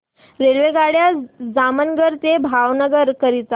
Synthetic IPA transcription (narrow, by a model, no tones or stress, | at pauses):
ɾelʋeɡaɽjad͡zamənɡəɾt̪ebʱaʋnəɡəɾkəɾit̪a